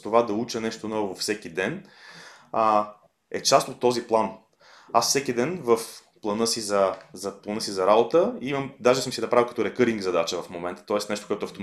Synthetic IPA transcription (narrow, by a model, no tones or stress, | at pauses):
t̪ovad̪ɐut͡ʃənɛʃt̪onɔvovɐfsɛkid̪ɛn | ɛt͡ʃast̪ot̪ːɔziplˠan | asfsɛkid̪ɛnvəf | plˠɐnɤsizɐzɐplˠɐnɤsizɐɾabot̪əimɐmd̪aʒɛsəmsid̪ɐpɾavikɐ̥t̪ɔɾɛkɤɾiŋɡzɐd̪at͡ʃəvɐfmomɛnt̪ə̥t̪ɔɛsnɛʃt̪okoɛt̪ʊɐft̪o